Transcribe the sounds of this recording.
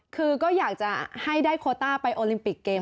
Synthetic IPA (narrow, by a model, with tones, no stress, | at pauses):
kʰɯː˧kɔː˥˩jaː˨˩k̚t͡ɕa˨˩ha˥˩jdaː˥˩jkʰoː˧t̪aː˥˩pa˧jʔoː˧li˧mpi˨˩kːeː˧